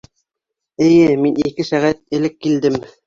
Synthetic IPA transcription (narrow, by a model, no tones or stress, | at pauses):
ɘ̆jɘminikɘsæʁæt̪̚ɘ̆lɘkːild̪ɘm